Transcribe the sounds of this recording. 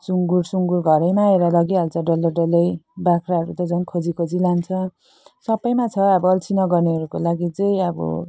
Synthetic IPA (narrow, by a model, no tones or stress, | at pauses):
suŋɡuɾsuŋɡuɾɡʱʌɾʌjmaeɾʌlʌɡiɦalt͡sʰʌɖʌlʌɖʌlʌjbakʰraɦʌɾut̪ʌd͡zʌnkʰod͡zikʰod͡zilant͡sʰʌ | sʌbʌjmat͡sʰʌʌbʌʌlt͡sʰinʌɡʌrneʌɾukolaɡit͡sʌj̃ʌbʌ̰